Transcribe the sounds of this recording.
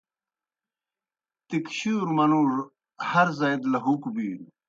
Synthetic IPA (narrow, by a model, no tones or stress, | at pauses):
t̪ikɕuːɾmɐnuɾ | hɐɾzɐjd̪lɐɦukbiːɾ